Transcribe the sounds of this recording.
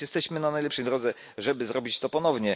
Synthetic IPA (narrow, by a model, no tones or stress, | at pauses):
jɛst̪ɛɕmɘnanajlɛpʂɛjd̪ɾɔd̪zɛ | ʐɛbɘzɾɔbʲit͡ɕt̪ɔpɔnɔvɲɛ